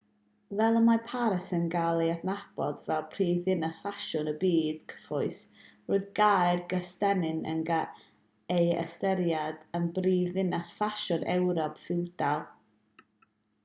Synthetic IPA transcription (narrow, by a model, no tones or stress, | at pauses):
vɛlˠəmapʰaɾəsənɡalˠiatnab̥ɔdvɛlˠpʰr̥iːðɪnasfaʃʊnəbiːd̥kʰə̥fʊɨsroːɨðɡajrɡəstɛnɪnə̰nɡa | ejə̰stɛɾjadənbriːvɪnasfaʃʊnɛwɾɔpʰfɪwd̥alˠ